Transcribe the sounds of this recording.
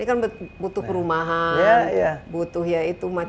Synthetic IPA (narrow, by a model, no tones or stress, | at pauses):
nikanbbut̪ʊhpəɾumaɦajajabut̪ʊhjait̪uma